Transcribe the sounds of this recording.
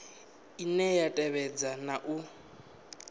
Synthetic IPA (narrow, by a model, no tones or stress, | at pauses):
inɛjatʼɛβɛd͡zanaʔu